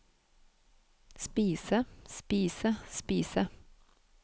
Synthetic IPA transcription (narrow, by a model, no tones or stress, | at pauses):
spiːsəspiːsəspiːsə